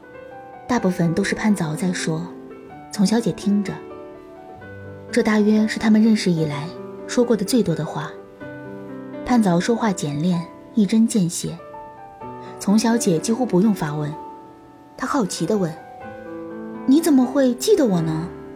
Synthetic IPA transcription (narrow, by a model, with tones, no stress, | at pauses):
t̪a˥˧pu˥˩fə˨˩nt̪o˥ʊʂɻ̩˥˧pʰa˥˩nt͡sɑ˧˥ʊt͡sa˥˩ɪʂwɔ˥ | t͡sʰʊ˧˥ŋɕjɑ˧˥ʊt͡ɕjɛ˨˩t̪ʰi˥ŋʈ͡ʂə˨˩ | ʈ͡ʂɤ˥˧t̪a˥˩ɥɛ˥ʂɻ̩˥˩t̪ʰa˥mə˨˧ɻə˥˩nʂɻ̩˧i˨˩la˧˥ɪʂwɔ˥kwɔ˥˩d̪ə˩t͡swe˥˩ɪt̪wɔ˥d̪ə˨xwa˥˩ | pʰa˥˩nt͡sɑ˧˥ʊʂwɔ˥xwa˥˩t͡ɕjɛ˨˩nljɛ˥˧n | i˥˩ʈ͡ʂə˥nt͡ɕjɛ˥˩nɕjɛ˥ | t͡sʰʊ˧˥ŋɕjɑ˧˥ʊt͡ɕjɛ˨˩t͡ɕi˥xu˥pu˧˥jʊ˥˩ŋfa˧˥wə˧˥n | t̪ʰa˥xɑ˥˩ʊt͡ɕʰi˧˥d̪ə˧wə˥˩n | ni˧˥t͡sə˨˩nmə˧˦xwe˥˧ɪt͡ɕi˥˩d̪ə˩wɔ˨˩nə˧˩